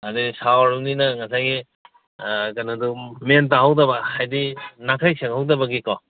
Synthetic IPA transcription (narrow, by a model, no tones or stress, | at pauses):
adisawaɾuŋninɐŋɐsajɡi | kanɐdumentaɦawdɐbɐhajdinakʰajseŋhawdɐbɐɡikaw